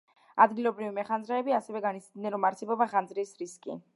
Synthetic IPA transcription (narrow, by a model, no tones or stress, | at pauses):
ad̪ɡilˠɔbɾivimɛχanzɾaɛbiasɛvɛɡanit̪sʰd̪nɛnɾɔmaɾt̪sʰɛbɔbaχand̪zɾisɾiskʼḭ